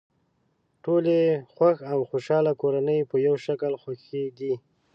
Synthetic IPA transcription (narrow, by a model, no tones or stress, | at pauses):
ʈolexwaxawxoʃɑlakoɾanəjpəjawʃaklxwaxed̪i